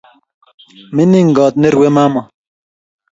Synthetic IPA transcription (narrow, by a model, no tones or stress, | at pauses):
miniŋɡɑːt̪̚neɾwemaːmɐ